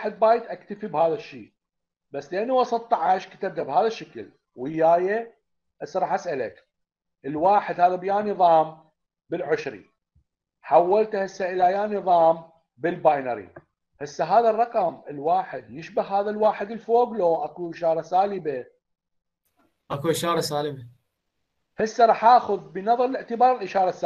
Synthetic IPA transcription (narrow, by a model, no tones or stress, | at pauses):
ħɪd̪̚baːjt̪ʔakt̪afibhaːðaʃːiː | basːlɪʔanːawɑsˤɑt̪ˤːɑʕaʃkḁt̪ab̚t̪abhaːðaʃːakɪl | wɪjːaːja | ʔɪsɾˤɑħasʔalak | ʔəlwaːħɪd̪haːðabjaːnɨðˤɑːm | bɪlʕʊʃɾḭ | ħawːalt̪ahɪsːaʔɪlajaːnɨðˤɑːm | bɪlbajnɑɾḭ | hɪsːaɦaːðarˤːɑqɑmɪlwaːħɪd̪jɪʃbahhaːðalwaːħɪd̪ɪlfoːbloːʔakuʔɪʃɑːɾˤɑsaːlɪba | ʔakuʔɪʃɑːɾˤɑsaːlɪba | hɪsːaɾˤɑːħʔaʔxʊðbənɑðˤɑɾˤɪlɪʕt̪ɪbɑːɾˤɪlʔɪʃɑːɾˤɑsːa